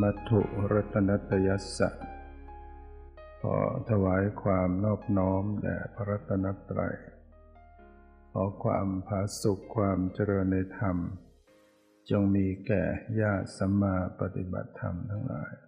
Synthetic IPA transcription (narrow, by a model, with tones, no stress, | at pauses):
ma˦˥t̪ʰːṵ˨˧˩ʔɾa˦˥t̪ʰːa˧na˦˥t̪ːa˧ja˦˥sa̰˨˩ | pʰɔ̰ː˧˩t̪ʰa˧waː˩˦˥jkʰwaː˧mnɔː˥˩p̚nɔː˦˥mlɛ̰˧˩pʰa˧ɾa˦˥t̪ʰːa˧na˦˥t̪ːɾa̰˧j | kʰɔː˨˦kʰwa̰ː˧mpʰaː˨˦su˨˩kʰːwaː˧mt͡ɕa˧ɾɤː˧nːa˧jt̪ʰa˧m | t͡ɕo˧ŋmiː˧kɛ̰ː˨˩jaː˥˩sa˨˦mːaː˧pa˧t̪i˧˦ba̰˨˩t̪ʰːa̰˧mt̪ʰa˧˩ŋla̰ː˧˦j